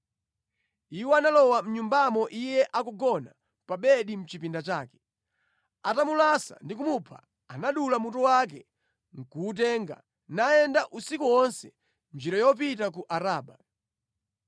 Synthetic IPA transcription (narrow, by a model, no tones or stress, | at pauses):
iwɛanalɔwam̩ɲumbamɔʔijɛʔakuɡɔna | paɓɛɗim̩t͡ʃipindat͡ʃa̰ːkɛ̥ | atamulasa̰ndikumupʰa̰ | anaɗulamutɔwak̬ɛ | ŋ̩kuːt̬ɛŋɡa̰ | naɛndaʔusikuwɔnsɛ | nd͡ʒiɾajɔp̬it̬ak̬uʔaɾaːɓa